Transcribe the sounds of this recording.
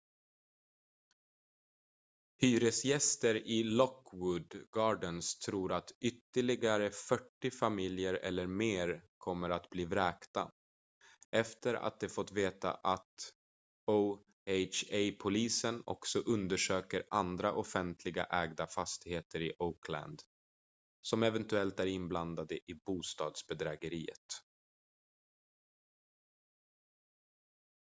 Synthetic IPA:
hyːɾəsjɛst̪əɾɪlɔkːwʊd̪ɡɑːɖənst̪ʰɾuːɾat̪ʏt̪ːəɭɪɡaɾəfœʈːɪfamɪljəɾɛ̰lːəɾmeːɾkʰɔmːəɾat̪bliːvɾɛːkt̪a̰ | ʔɛft̪əɾa̰t̪̚d̪ɛfɔt̪ːveːt̪a̰ʔat̪ | o | eɪt͡ʃejpʰʊliːsənɔ̰ksɔʔɵnd̪əʂøːkəɾʔand̪ɾaʔɔfɛnt̪ʰlɪɡa̰ʔɛːɡd̪afast̪ɪheːt̪ʰəɾɪʔokʰlæ̰nd̪ | sɔmɛvɛnt̪ɵɛlt̪æɾɪnbland̪ad̪əʔɪbuːst̪ɑːd̪sbɛd̪ɾɛːɡəɾiːə̰t̪

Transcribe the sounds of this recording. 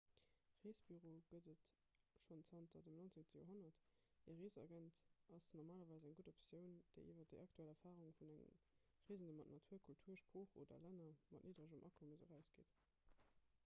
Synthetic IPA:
ʁeːsb̥yʁoːɡ̥ədət | ʃont͡sʰɑnt̚dɑdəmnont͡seŋtəjoːɐɦonɐt | eʁeːzɑ̰ɡæntʔɑsnɔʁmaːlɐvɑɪzæŋɡudopsjəʊnd̥eɪʔiːvɐdəɑk̚tʰuælɛɐfaːʁuŋfunæŋə̰m | ʁiːzəndəmɑtnɑtʰuːɐkʰultʰuːɐʃpʁoːχo̰ːdɐ̰lænɐmɑ̰tnʔiːdʁəʒumʔɑ̰kʰoməzəʁæʊsɡ̥ḛːt

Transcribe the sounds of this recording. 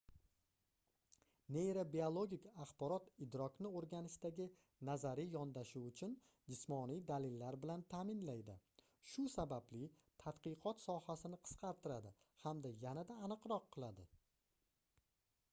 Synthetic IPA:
nejɾabiolˠoɡʲikʲaχbɒɾɒt̪ɪd̪ɾɒknɪoɾɡʲanɪʃt̪aɡʲɪ | nazaɾɪjɒnd̪aʃuwʊt͡ʃʰʊn | d͡ʒɪsmɒnijd̪alɪlːaɾbɪlant̪ʰaːmɪnlajd̪ɪ̰ | ʃʊsabablɪ | t̪ʰat̪qɨqʰɒt̪sɒhasɪnɪqʰɨ̥sqʰɑɾt̪ʰɪɾad̪ɪ | hamd̪ajanad̪aːnɨqɾɒqʰːɨlˠad̪ɪ

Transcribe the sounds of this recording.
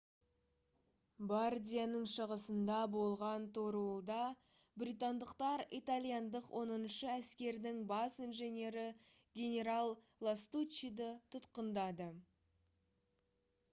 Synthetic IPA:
bard̪ʲijanəɴʃəʁəsənd̪ɑbo̞lˠʁɑnt̪ʰoɾwolˠd̪ɑ | bɾit̪and̪əqt̪ɑɾit̪alʲˠijand̪əqwʔo̞nənʃəæskʲe̞ɾd̪ɪŋbɑsijnʒenʲe̞ɾɪ | ɡʲe̞nʲe̞ɾalˠ | lˠast̪ut͡ʃid̪ət̪ʰʊt̪qənd̪ɑd̪ə

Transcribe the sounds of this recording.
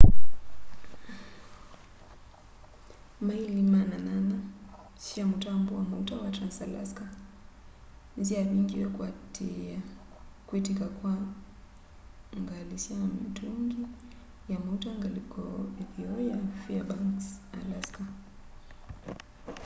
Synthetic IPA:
mailimananana | ʃiamutambuwamutawatɾansala̰ska | nziaɓiŋɡijɔkwatɛa | kwitikakwa | ŋɡalisiamituŋɡi | jamuutaŋɡalikɔiviɔjafiabansalaska

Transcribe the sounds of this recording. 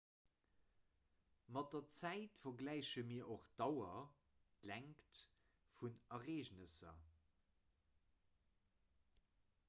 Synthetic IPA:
mɑt̚dɐt͡sæɪtfɐɡlæɪɕəmiːɐʔoχd̥ɑwɐ | tlæŋkt | funɐʁeːʑnəsɐ̰

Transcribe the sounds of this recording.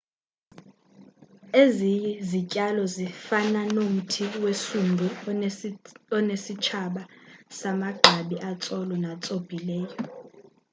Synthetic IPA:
ezijɛzicʼalɔzifananom̩tʰiwesundʱu | ɔnesit͡ʃʰaɓasamaɡ͡ǃʱaɓiʔat͡sʼɔlɔnat͡sʼob̥ʱilɛːjɔ

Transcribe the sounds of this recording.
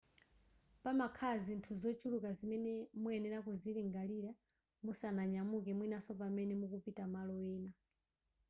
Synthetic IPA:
pamakʰazintʰuzɔt͡ʃulukazimɛnɛmuɛnɛɾakuziliŋɡaliɾa | musanaɲamukɛmwinasɔpamɛnɛmukupitamalɔɛːna

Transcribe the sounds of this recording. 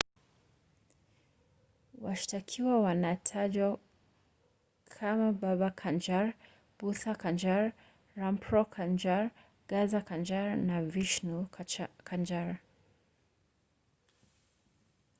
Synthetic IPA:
waʃtakʰiwawanatʰad͡ʒɔ | kʰamababakʰand͡ʒaɾ | b̥usakand͡ʒaɾ | ɾampʰɾɔkʰand͡ʒaɾ | ɡazakand͡ʒaɾnaviʃnukʰand͡ʒaɾ

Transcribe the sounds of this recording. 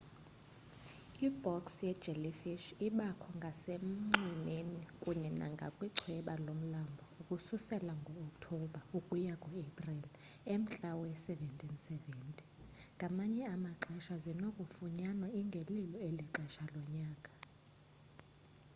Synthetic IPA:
ibʱɔksjɛ̥ʒ̥ɛlifiʃiɓakʰɔŋɡʱasem̩ŋ͡ǀimenikʼuɲɛna̰ŋɡʱa̰kʼwiǀʰwɛɓalom̩lambʱɔukʼususɛlaŋɡʱɔːktʰɔɓaukʼujakʼɔebʼril | em̩t͡ɬʼawɔɛsɛvɛntʼinsɛvɛːntʼi̥ŋɡʱamaɲɛamaǃɛʃazinokʼufuɲanɔiŋɡʱelilɔeliǁɛʃalɔɲaːkʼḁ

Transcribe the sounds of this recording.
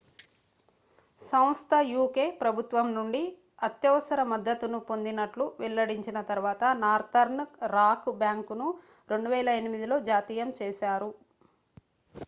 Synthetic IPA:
sɐw̃st̪ʰɐjuːke̞ːpɾɐbʱut̪ʋɐmnuɳɖi | ɐt̪jɐʋɐsɐɾɐmɐd̪ːɐt̪unupo̞nd̪inɐʈluʋɛlːɐɽiɲt͡ʃinɐt̪ɐɾuʋaːt̪ɐnaːɾt̪ɐɾnɾaːkbjaːŋkunu | ɾe̞ɳɖuʋɛːlɐenimid̪ilo̞ːd͡ʒaːt̪iːjɐmt͡ʃeːʃaːɾu

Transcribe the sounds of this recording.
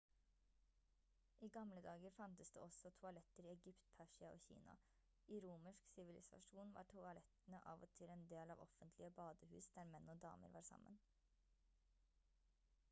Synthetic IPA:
ʔiːɡɑmləd̪ɑːɡəɾfɑnt̪əsd̪ḛːɔsɔt̪ʰʊɑlɛt̪əɾiːɛɡʏpt̪̚pʰæʂɪɑo̰ːçḭːnɑ̰ | iːɾuːməʂksɪʋɪlɪsɑ̰ʂuːnʋɑ̰ːʈʰʊɑlɛt̪ənəʔɑːʋɔt̪ʰɪlɛːnd̪eːlɑːʋɔfənt̪ʰlɪəbɑːd̪əhʉ̰ːsd̪̥æːɾmɛnːoːd̪ɑ̰ːmə̰ɾʋɑːɾsɑ̰mːə̰n

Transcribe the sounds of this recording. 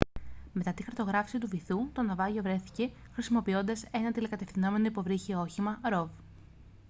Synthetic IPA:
me̞t̪ɐt̪ixɐɾt̪oɣɾɐfi̥sit̪uviθut̪o̞nɐvɐʝo̞vɾe̞θi̥ce̞ | xɾisimo̞pio̞nd̪ɐse̞nɐt̪ilekɐt̪e̞fθino̞me̞no̞ipo̞vɾiçio̞çimɐɾo̞v

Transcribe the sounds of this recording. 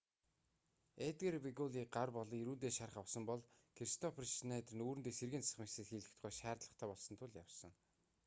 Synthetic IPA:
et̪ɡerwiɣɔɮiːɢarpɔɮɞ̆ŋiɾuːt̪eːʃaɾəχawsɞ̆mpɔɮkʰeɾist̪ʰɔpʰrʃnæːt̪rɘ̆nuːɾɘnt̪eːserɣĕːnt͡ssə̥̆χmisĕt̪xiːɮɘ̆kt̪̆ʰχuːʃæːrt̪ɮə̆χt̪ʰæːpɔɮsɞ̆nt̪ʰʊɮja̰wsɞ̰̆ŋ

